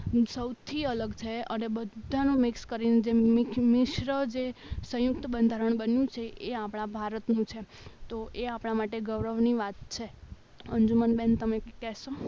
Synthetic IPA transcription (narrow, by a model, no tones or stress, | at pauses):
səwt̪ʰiələɡt͡ʃʰeənebədd̪ʱanũmɪkskəɾined͡ʒemmɪʃɾəd͡ʒesə̃jʊk̚t̪əbənd̪ʱaɾəɳ̃bənjũt͡ʃʰeʔeapɽ̃abʱaɾət̪nũt͡ʃʰe | t̪oʔeapɽ̃amaʈeɡəʋɾəʋniʋat̪̚t͡ʃʰe | əɲd͡ʒumənbent̪əmekɛʃo